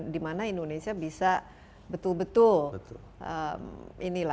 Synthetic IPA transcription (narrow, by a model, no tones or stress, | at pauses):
dimanaindonesiabisa | bət̪ʊlbət̪ʊlbt̪ | ʔə̰minila